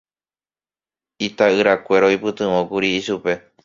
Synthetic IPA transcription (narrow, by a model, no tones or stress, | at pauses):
it̪aɨɾakʷe̞ɾoipɨt̪ɨ̃ʋõkuɾiːʃupe̞